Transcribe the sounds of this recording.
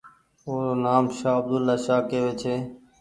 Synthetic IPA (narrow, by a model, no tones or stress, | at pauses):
oːɾoːnaːmʃaːəb̚d̪ʊlːaːʃaːkeːʋeːt͡ʃʰeː